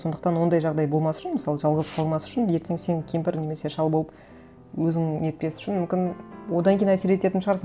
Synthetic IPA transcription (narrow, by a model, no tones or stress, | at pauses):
so̞nd̪əq̚t̪ɑnwo̞nd̪ɑjʒɑʁd̪ɑjbo̞lˠmɑsʏ̥ʃɪnmɪsɑlˠəʒɑlˠʁəzqʰɑlˠənmɑsʏ̥ʃɪnje̞ɾt̪e̞ŋse̞ŋkʲʰempɪɾne̞me̞se̞ʃɑlˠboəp | wɵzɪŋe̞t̪̚pe̞sɪʏ̥ʃɪnmʏmkʲɪnwo̞d̪ɑŋkʲʰejnæse̞ɾe̞t̪e̞t̪ɪnʃəʁɑɾsɑ